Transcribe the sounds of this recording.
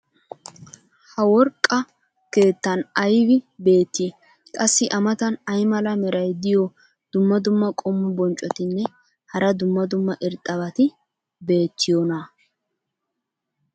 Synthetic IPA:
hɐwɔɾkʼːɐ | ke̞ːt̪ːɐnɐjbɪbe̞ːt̪ːi | kʼɐsːɪʔɐmɐt̪ɐnɐjmɐlɐmɛɾɐjd̪ɪjɔ | d̪̥ʊmːɐd̪ʊmːɐkʼɔmːʊbɔnt͡ʃʼɔt̪ɪnːɛ | hɐɾɐd̪ʊmːɐd̪ʊmːɐʔɪɾt̪ʼɐβɐt̪ɪ | be̞ːt̪ʰːɪjonɐ

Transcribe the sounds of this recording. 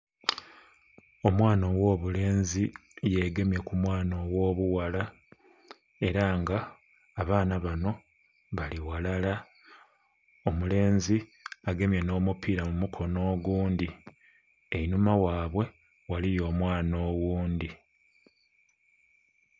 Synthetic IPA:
o̞mwaːno̞wo̞ːβule̞ːnzije̞ɡe̞mje̞kumwaːno̞wo̞ːβuwala | e̞ɾaŋɡaː | βaːnaβano̞ | βaliwalala | omule̞ːnziaɡe̞mje̞no̞ːmupiːɾamumukʰo̞no̞ːɡuːnd̪i | einumawaːβwe̞ | walijo̞ːmwaːnoːwuːndi

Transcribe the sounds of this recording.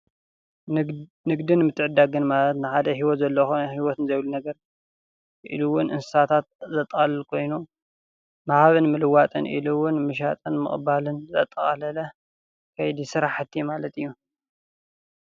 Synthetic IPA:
nɨɡd̪inmɨt̪ʰːɨʕɨd̪aɡɨnmalɐt̪nɨħad̪ɐɦiwɔt̪zɐlːɐxhiwɔt̪ɨnzɐjlunɐɡɐɾ | ʔḭluwʊnʔɨnsɨ̥sat̪ʰat̪̚zɐt̪ʼːɐχʼalɐlkʰo̞jnu | mahaβɨnmɨlɨwat̪ʼɨnʔḭluwʊnmɨʃ̬at̪ʼɨnmɨ̰χʼbalɨnzɐ̰t̪ʼːɐχʼɐ̰lɐlɐ | kʰɐjd̪isɨɾaħɨt̪ʰːijumalɐt̪ɨjːu

